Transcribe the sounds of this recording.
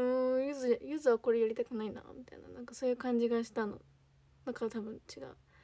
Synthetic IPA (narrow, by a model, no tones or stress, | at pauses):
ɯ̃ːjɯzɨjɯzɨβako̞ɾejaɾʲit̪akonaina̰mʲit̪a̰ḭna̰nãŋkaso̞ːjɯ̟kãɲ̟d͡ʑiɡaɕi̥t̪ano̞̰ | nãŋkat̪abɯ̟̃ɲt͡ɕiɡa̰ɯ